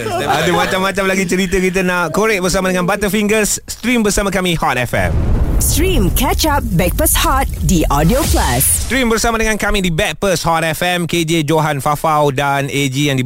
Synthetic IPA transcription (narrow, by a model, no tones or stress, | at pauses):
padumãt͡ʃamːãt͡ʃamlaɡit͡ʃəɾit̪əkit̪̬ənaʔkoɾɛk̚bərsamadəŋãnbat̪əfiŋɡəsːt̪ɾimbərsamãkamihɔt̪̚ɛfɛ̰̃mstɹĩmkɛt͡ʃap̚bɛk̚pəshɔt̪̚diʔɔdioplasst̪ɾimbərsamadəŋãnkamĩdibɛk̚pəshɔt̪ɛfɛmked͡ʒed͡ʒoɦanfafawdaned͡ʒijaŋdi